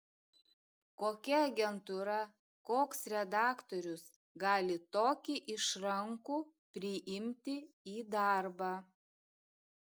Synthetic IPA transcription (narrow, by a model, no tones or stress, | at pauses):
koːkʲɛɐɡʲɛnt̪uɾɐ | koːksɾʲɛd̪ɑːkt̪ɔɾʲʊs | ɡɑːlʲɪt̪oːkʲiʔɪʃɾɐŋkuː | pʲɾʲɪʔɪmʲt̪ʲɪ | iːd̪ɑɾbɑː